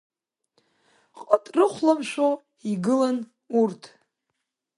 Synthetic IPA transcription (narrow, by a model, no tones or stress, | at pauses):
qʼətʼrɨχʷlamʃʷo | iɡɨlan | urtʰ